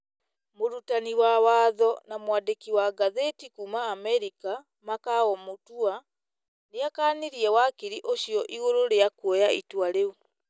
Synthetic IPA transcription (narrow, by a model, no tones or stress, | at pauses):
muɾutaniwawaːðonamwadekiwaɡaðetikumaːmeɾika | makaɣomutua | nijakaniɾiewakiɾiʔoʃioʔiɣololejakwojaitwaleu